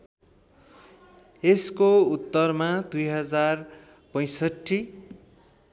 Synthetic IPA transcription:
eskout̪ːʌrmad̪ujɦʌd͡zar | pʌj̃sʌʈʰːi

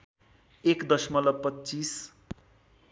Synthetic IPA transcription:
ekd̪ʌsmʌlʌpːʌtːt͡sis

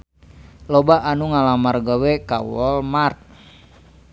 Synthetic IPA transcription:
lɔbaʔːnuŋalamarɡawɛkawɔlmart̪̚

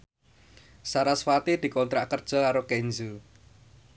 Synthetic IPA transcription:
saɾasfat̪id̪̥i̤kɔnt̪ɾaʔkərd̥ʒ̥əlaɾokɛɲd͡ʒu

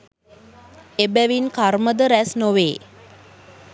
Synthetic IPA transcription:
ebæʋinkaɾməd̪əɾæsnoʋeː

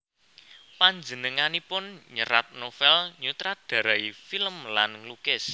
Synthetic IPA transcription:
paɲd͡ʒənəŋanipʊnɲəɾat̪̚nofɛlɲut̪ɾad̪̥a̤ɾaifiləmlanŋlukɪs

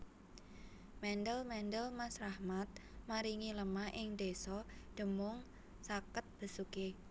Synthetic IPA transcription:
mɛnɖəlmɛndəlmasɾahmat̪̚maɾiŋiləmaʔɪŋd̪̥esɔɖ̪̥ə̤mʊŋ | sakət̪̚b̥ə̤suke

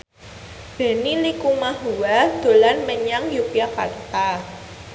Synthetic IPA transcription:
d̥e̤nilikumaɦuwad̪̥o̤lanməɲaŋjupiakart̪a

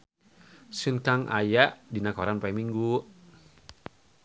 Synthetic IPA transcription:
sunkaŋʔa̰jaʔdinakɔɾanpaɛmiŋɡu

